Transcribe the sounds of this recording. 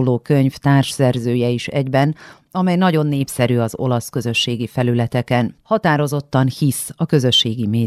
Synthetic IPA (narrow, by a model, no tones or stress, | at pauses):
loːkø̞ɲft̪aːrʃsɛrzøːjɛiʃɛ̰ɟbɛn | ɒmɛjnɒɟo̞nːeːpsɛɾyɒzo̞̰lɒskø̞zø̞ʃːeːɡifɛlylɛt̪ɛkɛnhɒt̪aːɾo̞zo̞t̪ːɒnhisɒkø̞zø̞ʃːeːɡimeː